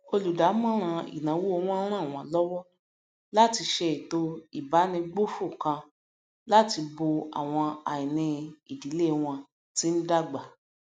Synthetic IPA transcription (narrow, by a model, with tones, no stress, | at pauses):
o˧lu˨da˨˦mã˦ɾ̃ã˧ḭ˨nã˨˦wu˦o˧w̃ɔ̃˦ɾ̃ã˦˨w̃ɔ̃˧lɔ˦wɔ˦ | la˦ti˧ʃɛ˧i˨to˦i˦˨ba˨˦nĩ˧ɡ͡bo˦fu˦˨kã˧ | la˦ti˧bo˧a̰˨w̃ɔ̃˧a˨i˨nĩ˧i˨di˨˦le˦˧w̃ɔ̃˧ | ti˦n̩˦da˦˨ɡ͡ba˨